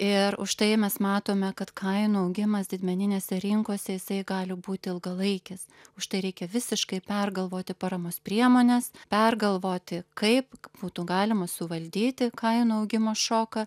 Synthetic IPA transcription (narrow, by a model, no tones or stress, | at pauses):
ɪɾʊʃt̪ɐɪmʲɛsmɑːt̪oːmʲɛkɐt̪kʰɐɪnuɐʊɡʲɪmɐsd̪ʲɪd̪ʲmʲɛnʲɪnʲeːsʲɛɾʲɪŋkoɔsʲɛjɪsɐɪɡɑːlʲɪbuːt̪ʲɪɪlˠɡɐlˠɐɪkʲɪs | ʊʃt̪ɐɪɾʲɛɪkʲɛʋʲɪsʲɪʃkɐɪpʲɛrɡɐlˠʋoːt̪ʲɪpɐɾɐmoːspʲɾʲiɛmoːnʲɛspʲɛrɡɐlˠʋoːt̪ʲɪkɐɪpb̥uːt̪uɡɑːlʲɪmɐsʊʋɐlʲd̪ʲiːt̪ʲɪkɐɪnuːɐʊɡʲɪmoːʃoːkɐ